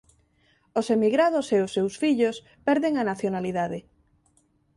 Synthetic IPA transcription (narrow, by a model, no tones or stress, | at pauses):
osemiɣɾaðʊseʊsːewsfiʎos | pɛɾðeŋanaθjonaliðaðɪ